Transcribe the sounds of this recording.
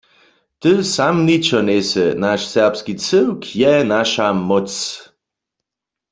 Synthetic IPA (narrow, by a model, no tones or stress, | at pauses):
t̪əsamnit͡ʃɔnesənaʃsɛʁpskit͡səwkʰjɛnaʃamɔt͡s